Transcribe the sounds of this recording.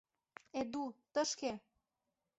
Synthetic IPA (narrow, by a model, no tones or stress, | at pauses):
ed̪ut̪ə̆ʃke